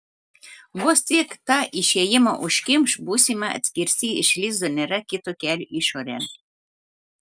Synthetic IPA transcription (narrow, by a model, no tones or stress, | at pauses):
bost̪ʲikt̪ɑʔiʃʲɛjɪmoʔʊʃkʲɪmʃbuːsʲimɐɐ̰t̪sʲkʲiɾʲsʲiːɪ̰ʃlʲiːzd̪onʲɛɾɐkʲɪt̪okʲælʲiʃoɾʲɛn